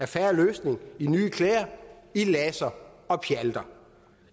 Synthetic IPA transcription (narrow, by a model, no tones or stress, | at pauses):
æɐfæɐløːsne̝ŋinyːkʰleːɐilɛsɐɒ̽pʰjæld̥ɐ